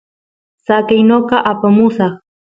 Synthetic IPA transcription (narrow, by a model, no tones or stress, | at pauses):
sakajnoqɑʔapamʊʃɑχ